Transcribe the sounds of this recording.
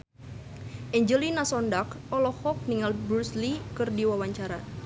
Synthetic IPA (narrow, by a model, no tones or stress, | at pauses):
ʔɛɲd͡ʒəlinasɔndakɔlɔhɔk̚niŋalbɾuslikɨrdiwawaɲt͡ʃaɾa